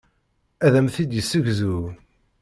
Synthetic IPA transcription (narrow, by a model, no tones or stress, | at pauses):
æðæmθid̪jəsːəʝzu